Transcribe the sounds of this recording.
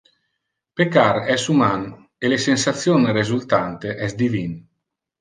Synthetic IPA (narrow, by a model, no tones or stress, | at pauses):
pekaɾɛsuman | elesensat̪sjonrezult̪ant̪eʔɛsd̪ivin